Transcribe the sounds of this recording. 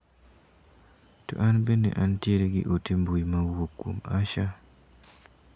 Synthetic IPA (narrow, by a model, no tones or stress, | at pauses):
to̰ʔanbenːḛʔantjeɾeɡɪ̰ʔotimbujimawokːo̰ma̰ʃa